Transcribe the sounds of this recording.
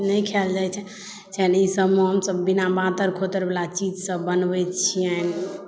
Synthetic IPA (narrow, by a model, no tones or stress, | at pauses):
nəjkʰeld͡ʒajt͡ʃʰɛ | t͡ʃɛnisəbmeɦəmsəbːinabãt̪əɾkʰot̪əɾbelat͡ʃid͡ʒsə̃bənbɛt͡ʃʰiən